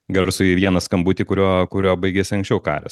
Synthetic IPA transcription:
ɡɐɾsʊjɪʋʲiɛnɐskɐmbuːt̪ʲikʊɾʲoɔkʊɾʲoːbɐɪɡʲɛsʲɐŋksʲt͡ʃʲɛʊkɑ̰ːɾʲɛ̰s

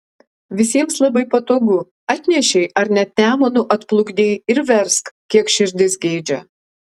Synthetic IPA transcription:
ʋʲɪsʲiɛmslˠɐbɐɪpɐt̪oːɡʊ | ɐt̪ʲnʲɛʃʲɛɪʔɐɾnʲɛt̪ʲæːmɐnʊʔɐt̪plˠʊɡd̪ʲeːɪɾʋʲɛɾskkʲiɛkʃʲɪɾʲd̪ʲɪsɡʲɛːd͡ʒʲɛ

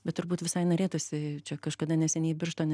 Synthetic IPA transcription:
bʲɛt̪t̪ʊɾbuːt̪ʋʲɪsɐɪnoːɾʲeːt̪uːsʲɪt͡ʃʲɛkɐʃkɐd̪ɐnʲɛsʲɛnʲeːbʲɪɾʃt̪oːnʲɛ

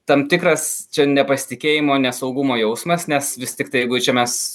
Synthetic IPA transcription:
t̪ɐmt̪ʲɪkɾɐst͡ʃʲɛnʲɛpɐsʲɪ̥t̪ʲɪkʲeːjɪmoːnʲɛsɒʊɡʊmoːjɛʊsmɐsnʲɛsʋʲɪsʲt̪ʲɪkt̪ɐɪjɪɡʊt͡ʃʲɛmʲɛs

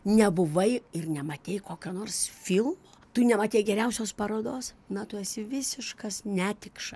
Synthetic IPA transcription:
nʲɛbʊʋɐɪɪrnʲɛmɐt̪ʲeːɪjkoːkʲonoːrsfʲilˠmoːt̪ʊnʲɛmɐtʲeːjɡʲɛɾʲɛʊsʲoːspɐɾoːd̪oːs | nɐt̪ʊɛsʲɪʋʲɪsʲɪʃkɐsnʲæːt̪ʲɪkʃɐ

